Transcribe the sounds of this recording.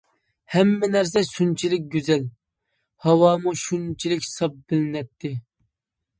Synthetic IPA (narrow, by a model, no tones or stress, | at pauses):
hɛmːɛnæɾs̬ɛʃunt͡ʃʰilɪk̚ʲɡʲyzɛl | hɑwɑːmuʃunt͡ʃʰilɪkʲsɑp̚bɪlɪnɛt̪ʰːɪ